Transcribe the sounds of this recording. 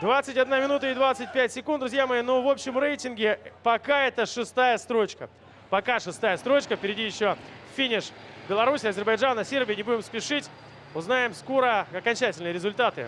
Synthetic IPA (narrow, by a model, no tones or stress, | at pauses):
d̪vat̪sɨtʲɐd̪namʲɪnut̪əɪd̪vat̪sɨt̚ʲpʲætʲsʲɪkund̪ɾʊzʲjamɐjinovo̞pɕːɪmɾejtʲɪnɡʲɪpɐkaɛt̪əʂɨst̪ajəst̪ɾo̞t͡ɕkə̰ | pɐkaʂɨst̪ajəst̪ɾo̞t͡ɕkəfpʲɪɾʲɪdʲijɪɕːoffʲinʲɪʂbʲɪlˠɐɾusʲɪɐzʲɪrbɐjʐanəsʲerbʲɪjnʲɪbudʲɪmspʲɪʂɨtʲ | ʊznajɪmsko̞ɾəɐkɐnʲt͡ɕætʲɪlʲnɨjəɾʲɪzʊlʲt̪at̪ɨ̰